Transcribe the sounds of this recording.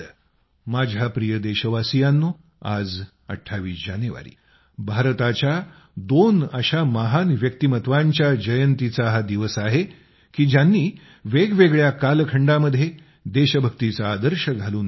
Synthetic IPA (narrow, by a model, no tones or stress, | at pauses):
mad͡ʑʱjapɾijəd̪eɕəʋasijanːo | a̰d͡z | ə̰ʈʰːaʋiːsd͡ʑanjəʋa̰ɾḭː | bʱaɾt̪at͡ɕja | d̪onəɕaməɦanʋjək̚t̪imət̪ʋaɲt͡ɕjad͡ʑəjənt̪it͡saɦad̪iʋəsaɦe | kiːd͡ʑjanːiː | ʋeɡʋeɡɭjakalkʰəɳɖaməd̪ʱːje | d̪eɕəbʱəkt̪it͡saːd̪əɾɕəɡʱaluːn